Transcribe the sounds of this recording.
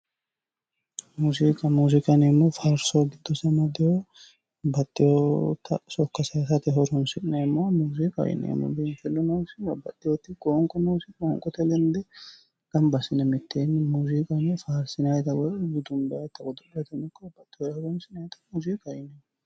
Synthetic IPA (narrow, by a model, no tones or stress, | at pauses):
muːzikʼɐmuːzɪkʼɐnemːɔfaːɾsoɡɪd̪ːɔsɐmɔd̪ɪjo | bɐt̪ʼːɪjɔt̪ɐsɔkːɐsɐsɐt̪ɛɦɔɾɔnsɪnemːɔmuːzɪkʼɐ̰jɪ̰nḛːmːɔ̰benfɛlːɔnɐwsɪɐbɐt̪ʼːɪjɔt̪ːɪkʼoːŋkʼɔnɐwsɪkoːŋkʼɔt̪ɛlɛnd̪ɛ | kɐmbɐsɪnɛmɪt̪ʰːeːnːmuːzikʼɐmːɔfaːɾsɪnɐjt̪ɐwɔɛɡɪd̪ʊmbɐjɐt̪ːɐɡɔd̪ɔʔɛɐt̪ɛmɪkːɔbɐt̪ʼːɪjɔhɔɾɔnsɪnɐjɛt̪ɐ̥muːzɪkʼɐjɪnemːɔ